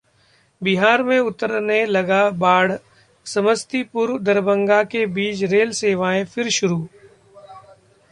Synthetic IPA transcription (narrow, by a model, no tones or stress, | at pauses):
bɪɦaːɾmẽʊt̪əɾnelɐɡabaːɽ̤ | sɐməst̪ipʊɾʋd̪ɐɾbə̃ŋɡakebiːt͡ʃɾeːlseːʋaːẽfʰɪɾʃʊɾuː